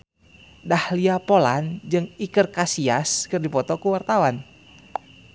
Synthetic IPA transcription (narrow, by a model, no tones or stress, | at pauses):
dahliapoland͡ʒɨŋikərkasiaskɨrdipɔt̪ɔkuwart̪awan